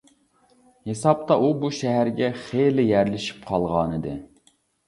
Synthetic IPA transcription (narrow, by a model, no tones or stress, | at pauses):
hesɑp̚t̪ɑʔubuʃɛɦæɾɡʲɛχelɪjæɾlɪʃi̥p̚qʰɑlˠʁɑːnɨd̪ɨ